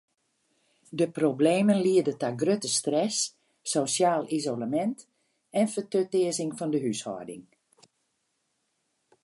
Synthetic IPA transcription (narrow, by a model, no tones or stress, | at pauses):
dəprobleːmənliədətaɡrøtəstrɛsː | osjaːlizolamɛnt | ɛnfətøtɪəzɪŋfɔndəɦyshɔ̰ːdɪ̰ŋ